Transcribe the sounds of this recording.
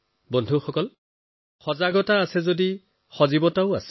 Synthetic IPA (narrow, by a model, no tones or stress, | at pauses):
bondʱuxɔkɔl | xɔzaɡɔtaːsɛzodi | xɔzibɔtaʊa̰s